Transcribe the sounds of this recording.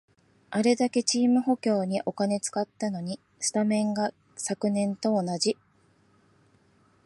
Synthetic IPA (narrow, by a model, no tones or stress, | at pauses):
aɾe̞d̪ake̞t͡ɕiːmɯ̟ɦo̞kʲo̞ːɲ̟iʔo̞kane̞t͡sɨ̥kat̪ːano̞ɲ̟i | ɕɨ̥t̪amẽ̞ŋɡa | sakɯ̟nẽ̞nt̪o̞ːnad͡ʑi